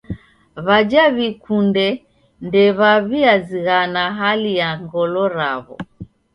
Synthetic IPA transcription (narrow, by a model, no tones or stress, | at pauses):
βad͡ʒaβikundɛ | ndɛβaβiaziɣanaɦalijaŋɡɔlɔɾa̰βɔ̰